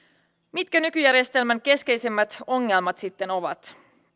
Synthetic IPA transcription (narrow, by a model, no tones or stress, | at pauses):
mit̪kænykyjæɾjest̪e̞lmæŋke̞ske̞jse̞mːæt̪o̞ŋːe̞lmɑt̪sit̪ːe̞no̞ʋɑ̰t̪